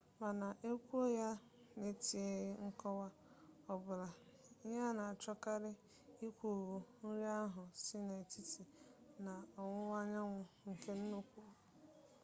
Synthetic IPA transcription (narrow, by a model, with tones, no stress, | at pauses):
ma˨na˨ʔe˦kʷu˦o˦ja˦ | ne˨ti˨e˦ɣɪ˦ŋ̩˦kɔ˦wa˦ | ɔ˨bʊ˨la˨˦ɲa˦na˨a˨t͡ʃɔ˦ka˦ɾɪ˦ | i˦kʷu˨ɣu˨n̩˦ɾi˦a˦ɦʊ˨sɪ˦ne˨e˨ti˦ti˨na˨ɔ˨ŋʷʊ˦wa˦ɲa˦ŋʷʊ˨ŋ̩˨ke˦n̩˦no˦kʷu˦˨u˨